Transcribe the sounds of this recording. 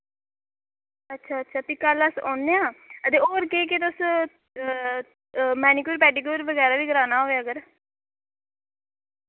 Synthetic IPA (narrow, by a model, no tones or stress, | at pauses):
ətːʃʰaːətːʃʰaːpikːaːləsɔ̰̃ːnːeãːəd̪eːoːɾkeːk̬et̪̬ʊs | mɛːnikuːɾpɛːɖiːkuːɾʋəɡɛːɾaːʋiːɡəɾaːnaːɦoːeəɡəɾ